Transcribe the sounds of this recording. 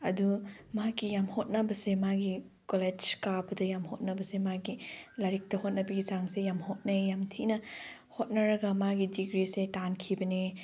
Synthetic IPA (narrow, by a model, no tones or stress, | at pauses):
ɐdumakijamhot̚nɐbɐsemaɡi | koled͡ʒkabɐdɐjamhot̚nɐbɐsemaɡilaɾik̚tɐhot̚nɐbɐɡit͡ʃaŋsejamhot̚nɐjamtʰinɐ | hot̚nɐɾɐɡɐmaɡidiɡɾisetankʰibɐni